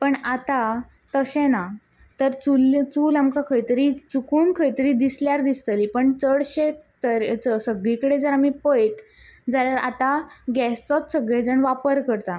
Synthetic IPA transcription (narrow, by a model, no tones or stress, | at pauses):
pəɳat̪a | t̪əɕẽna | t̪əɾt͡sult͡suːlamkakʰəjt̪əɾit͡sukuːnkʰəjt̪əɾiːd̪isljaɾd̪ist̪əliːpəɳt͡səɽɕet̪əɾt͡səsəɡɭikəɽed͡zəɾam̤ipəjʈd͡zaljaɾa̰t̪aɡɛst͡sɔt̪səɡɭed͡zəɳʋapəɾkəɾt̪a